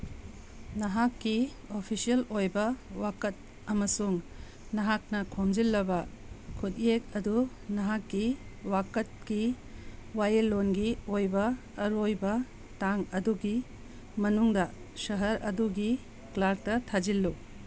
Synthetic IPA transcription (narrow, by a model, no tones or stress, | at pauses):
nɐɦakːi | opʰisijɐlojbɐwakɐt̚ | ɐmɐsuŋ | nɐɦak̚nɐkʰomd͡ʒilːɐbɐkʰutiek̚ɐdu | nɐɦakːiwakɐt̚ki | wajelonɡiojbɐː | ɾojbɐ | taŋɐduɡi | mɐnuŋdɐ | sɐɦɐɾʔɐ̰duɡi | klaɾ̚tɐtʰad͡ʒilːu